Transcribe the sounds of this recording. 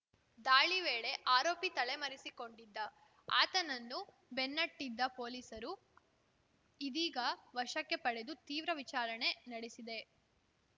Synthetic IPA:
d̪aːɭiʋeːɭe̞ʔaːɾoːpit̪ɐɭemɐɾisiko̞ɳɖid̪ːɐ | a̰ːt̪ɐnɐnːu | benːɐʈːid̪ːɐpoːliːsɐɾu | id̪iːɡɐʋɐʂɐkːepɐɽe̞d̪ut̪iːʋɾɐʋit͡ʃaːɾɐɳe̞nɐɽesid̪e̞

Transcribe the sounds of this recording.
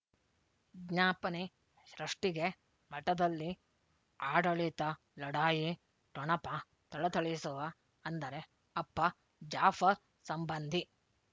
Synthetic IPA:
ɡɲaːpɐne | ʃɾɐʂʈiɡe | mɐʈɐd̪ɐlːi | aːɖɐɭit̪ɐ | lɐɽaːji | ʈɔɳɐpɐ | t̪ɐɭɐt̪ɐɭisuʋɐ | ɐnd̪ɐɾe | ɐpːɐ | d͡ʒaːfʰɐ | sɐmbɐnd̪ʱi

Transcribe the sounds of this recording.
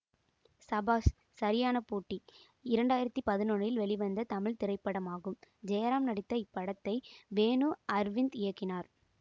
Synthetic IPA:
sɐbaːsː | ɐɾɪjaːnɐpuːʈːi | ɪɾɐɳɖaːjɪɾɐt̪ːipɐðɪnɔnjɪlʋɛɭɪʋɐnd̪ɐt̪ɐmɪɭt̪ɪɾɐɪpːɐɽɐmaːɣɯmd͡ʒɛjɐɾaːmnɐɽɪt̪ːɐɪpːɐɽɐt̪ːɐɪbeːnuːʔɐɾʋɪnd̪ɪjɐkːɪnaːɾ

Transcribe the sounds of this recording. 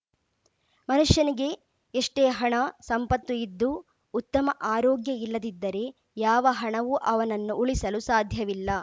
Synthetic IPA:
mɐnuʂjɐniɡe̞ | eʂʈeːɦɐɳɐsɐmpɐt̪ːuid̪ːu | ut̪ːɐmɐʔaːɾoːɡjɐilːɐd̪id̪ːɐɾe̞ | jaːʋɐɦɐɳɐʋuʔɐʋɐnɐnːuʔuɭisɐlusaːd̪ʱjɐʋilːɐ

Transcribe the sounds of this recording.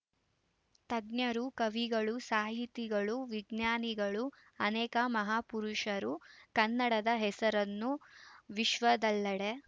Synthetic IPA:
t̪ɐɡnjɐɾukɐʋiɡɐɭusaːɦit̪iɡɐɭuʋiɡnjaːniɡɐɭu | ɐnɛːkɐmɐɦaːpuɾuʃɐɾukɐnːɐɽɐd̪ɐɦɛsɐɾɐnːuʋiʃʋɐd̪ɐlːɐɽe

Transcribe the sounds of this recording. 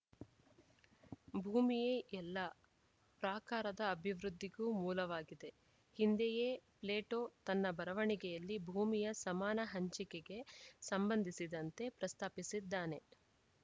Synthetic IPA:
bʱuːmijeːʔɛlːɐ | pɾaːkaːɾɐd̪ɐːbʱiʋɾud̪ʱːiɡuːmuːlɐʋaːɡid̪e̞ | hind̪eje̞ːple̞ːʈoːt̪ɐnːɐbɐɾɐʋɐɳiɡɛjɐlːibʱuːmijɐsɐmaːnɐɦɐɲt͡ʃikeɡe̞sɐmbɐnd̪ʱisid̪ɐnt̪e̞pɾɐst̪aːpisid̪ːaːne̞

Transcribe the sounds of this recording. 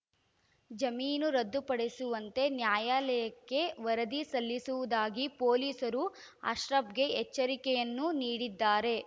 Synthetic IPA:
d͡ʒɐmiːnuɾɐd̪ːupɐɽesuʋɐnt̪e̞njaːjaːlɐjɐkːe̞ʋɐɾɐd̪isɐlːisuʋud̪aːɡipoːliːsɐɾua̰ːʃɾɐbɡe̞ɛt͡ʃːɐɾikɛjɐnːuniːɽid̪ːaːɾe̞

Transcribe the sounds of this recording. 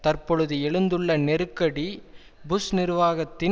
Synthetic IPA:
t̪ɐrpɔɻɯðɯɛɭɯnd̪ɯɭːɐnɛɾɯkːɐɽi | bʊsnɪɾʋaːɣɐt̪ːɪ

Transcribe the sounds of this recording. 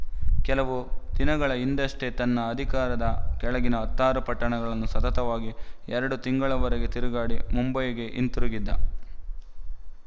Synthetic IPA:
kɛlɐʋud̪̥inɐɡɐɭɐind̪ɐʂʈet̪ɐnːɐːd̪ʱikaːɾɐd̪ɐkɛɭɐɡinɐɐt̪ːaːɾɐpɐʈːɐɳɛɡɐɭɐnːusɐt̪ɐt̪ɐʋaːɡiɛɾɐɽut̪iŋɡɐɭɐʋɐɾɐɡe̞t̪iɾuɡaːɽimumbɐjɐɡe̞ʔint̪uɾuɡid̪ːɐ̰

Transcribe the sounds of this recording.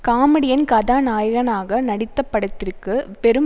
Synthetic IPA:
kaːmɐɽɪjɐnkɐðaːnaːjɐɣɐnaːɣɐnɐɽɪt̪ːɐpːɐɽɐt̪ːɪrkɯpɛɾɯm

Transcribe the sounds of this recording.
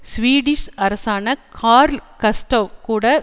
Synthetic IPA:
sʋiːɽɪʂɐɾɐsaːnɐkʰaːɾlkɐsʈɐʋkuːɽɐ

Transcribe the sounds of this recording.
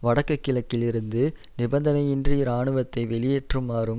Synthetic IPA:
ʋɐɽɐkːɐkːɪlɐkːɪlɪɾɯnd̪ɯ | nɪbɐnd̪ɐnɐɪɪndriɾaːɳɯʋɐt̪ːɐɪʋɛɭɪjeːʈrɯmːaːɾɯm

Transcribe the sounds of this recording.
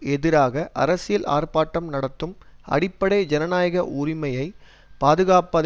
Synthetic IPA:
ɛðɪɾaːɣɐʔɐ̰ɾɐsɪjɐla̰ːrpaːʈːɐmnɐɽɐt̪ːɯmɐ̰ɽɪpːɐɽɐɪd͡ʒɛnɐnaːjɐɣɐʔuːɾɪmɐjɐɪ | paːðɯɣaːpɐð

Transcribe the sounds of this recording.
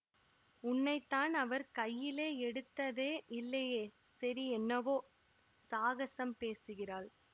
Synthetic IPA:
ʊnːɐɪt̪ːaːnɐʋɐɾkɐjːɪleːɛɽɯt̪ːɐðeːʔɪlːɐjeː | sɐɾiɛnːɐʋoː | saːɣɐsɐmpeːsɯɣɪraːɭ

